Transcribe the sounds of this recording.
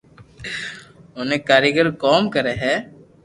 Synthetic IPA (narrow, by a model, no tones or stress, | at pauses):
oːnẽːkaːɾeɡəɾkoːmkəɾeːɦɛː